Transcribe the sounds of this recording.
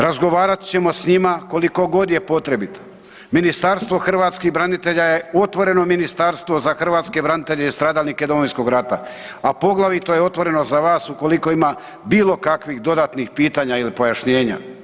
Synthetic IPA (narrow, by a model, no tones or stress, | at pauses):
ɾazɡo̞ʋaːɾat̪t͡ɕe̞mo̞sɲimako̞liko̞ɡo̞d̪je̞po̞t̪ɾe̞bit̪o̥ | minist̪aɾst̪ʋo̞xr̩ʋaːt̪skiɣbɾanit̪e̞ʎaje̞o̞t̪ʋo̞ɾe̞no̞minist̪aɾst̪ʋo̞zaxr̩ʋaːt̪ske̞bɾanit̪e̞ʎeist̪ɾaːd̪alnike̞d̪omoinsko̞ɡɾat̪a̰ | apo̞ɡlˠaʋit̪o̞jeo̞t̪ʋo̞ɾe̞no̞zaʋaːsuko̞liko̞ima | biːlo̞kakʋiɣd̪o̞d̪at̪nixpiːt̪aːɲailipo̞jaʃɲe̞ːɲa̰